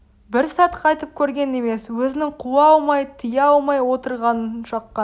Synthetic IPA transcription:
bɪɾsɑt̪qʰɑjt̪əp̚kʲʰɵɾɡʲe̞ne̞me̞swɵzɪnɪŋqʰuɑlˠmɑjt̪ʰəjɑlˠmɑjwo̞t̪əɾʁɑnəʃɑqːɑ

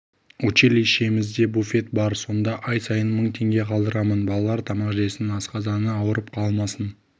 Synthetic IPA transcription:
ut͡ʃelʲiʃe̞mɪzd̪e̞bufe̞t̪̚bɑɾso̞nd̪ɑʔɑjsɑjənməɴt̪ʰe̞ŋɡʲe̞qʰɑlˠd̪əɾɑmənbɑlˠɑlˠɑɾt̪ʰɑmɑqʒesɪnɪnɑsqɑzɑnəɑwəɾəp̚qʰɑlˠmɑsən

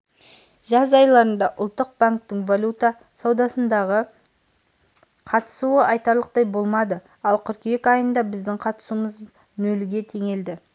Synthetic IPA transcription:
ʒɑzɑjlˠɑɾənd̪ɑʔʊ̰lˠt̪ːəq̚baŋk̚t̪ɪŋvalʲut̪a | sɑwd̪ɑsənd̪ɑʁə | qʰɑt̪ə̥suəʔɑjt̪ɑɾlˠəq̚t̪ɑjbo̞lˠmɑd̪ə | ɑlˠkʲʰʏɾkʲejekɑjənd̪ɑbɪzd̪ɪŋqʰɑt̪ə̥suməz | nɵlɡʲe̞t̪ʰe̞ŋe̞ld̪ɪ

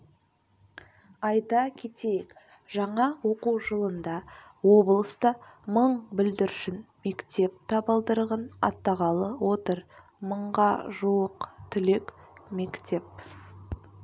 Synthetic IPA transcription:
ɑjt̪ɑkʲʰe̞t̪ejek | ʒ̥ɑɴɑwo̞quwʒəlˠənd̪ɑwo̞blˠəst̪əməɴbɪld̪ɪɾʃɪnme̞kt̪e̞p̚t̪ʰɑbəlˠd̪əɾʁənɑ̰t̪ːɑʁɑlˠəwo̞t̪əɾ | məɴʁɑʒuwəqt̪ʰʏle̞kme̞kt̪e̞p̚

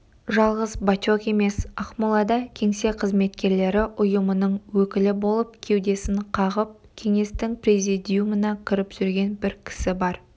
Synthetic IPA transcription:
ʒɑlˠʁəzbatoke̞me̞sɑχmulˠɑd̪ɑkʲʰe̞ŋse̞qʰəzme̞t̪kʲe̞ɾle̞ɾɪʔʊjəmənəɴwɵkʲɪlɪbo̞lˠəp̚kʲʰe̞wd̪e̞sɪɴqʰɑʁəp̚kʲʰe̞ŋe̞st̪ɪŋprezijd̪ijumənɑkʲʰɪɾɪpʒ̥ʏɾɡʲe̞nbɪɾkʲʰɪ̥sɪbɑɾ

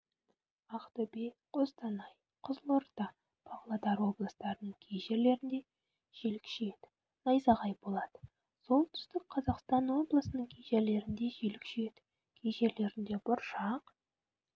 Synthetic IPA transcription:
ɑqt̪ɵbeqʰozt̪ɑnɑj | qʰʊzəlˠoɾt̪ɑ | b̥ɑʁlˠɑd̪ɑɾwo̞blˠəst̪ɑɾənəɴkʲʰejʒe̞ɾle̞ɾɪnd̪e̞ | ʒ̥e̞lɪkʃeed̪ɪ̥ | nɑjzɑʁɑjbo̞lˠɑd̪̥ə̥ | so̞lˠt̪ʰʏ̥st̪ɪkqʰɑzɑqst̪ɑnwo̞blˠəsənəɴkʲʰejʒe̞ɾle̞ɾɪnd̪e̞ʒelɪkʃeed̪ɪ | kʲʰejʒe̞ɾle̞ɾɪnd̪e̞bʊɾʃɑq

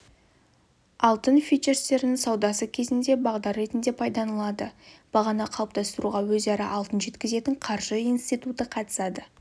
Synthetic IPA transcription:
ɑlˠt̪ənfʲit͡ʃeɾst̪e̞ɾɪnɪŋsɑwd̪ɑsəkʲʰe̞zɪnd̪e̞bɑʁd̪ɑɾːe̞t̪ɪnd̪e̞pʰɑjd̪ɑnəlˠɑd̪əb̥ɑʁɑnɑqʰɑəp̚t̪ɑst̪əɾuʁɑwɵzɑɾɑʔɑlˠt̪ənʒe̞t̪kʲɪze̞t̪ɪɴqʰɑɾʒəijnst̪ijt̪ut̪əqʰɑt̪ə̥sɑd̪ə

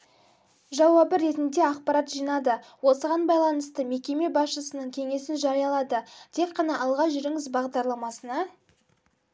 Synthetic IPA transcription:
ʒɑwɑbəɾe̞t̪ɪnd̪e̞ɑqpɑɾɑt̪ʒijnɑd̪əwo̞səʁɑnbɑjlˠɑnəst̪əme̞kʲe̞me̞bɑsʃəsənəɴkʲʰe̞ŋe̞sɪnʒɑɾijɑlˠɑd̪ət̪ʰe̞kqːɑnɑɑlˠʁɑʒʏɾɪŋɪzbɑʁd̪ɑɾlˠɑmɑsənɑ

